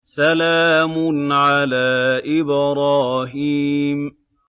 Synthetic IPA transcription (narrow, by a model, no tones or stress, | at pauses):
salaːmʊnʕalaːʔɪbɾˤɑːɦiːm